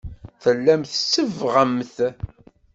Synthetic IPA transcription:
θəlːæmθəsːəvʁəmθ

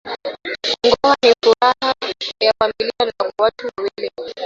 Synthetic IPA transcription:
ŋɡɔhaɦifuɾaɦajafamilianakwatuwawili

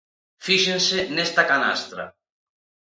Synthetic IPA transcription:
fiʃensenest̪akana̰st̪ɾa̰

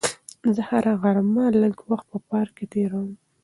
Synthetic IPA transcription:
zəhaɾaɣaɾmaləɡwaxt̪̚pəpɑɾket̪eɾəwm

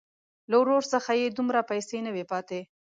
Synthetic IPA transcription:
lawɾoɾsəxajed̪umɾapajsenəwepɑt̪e

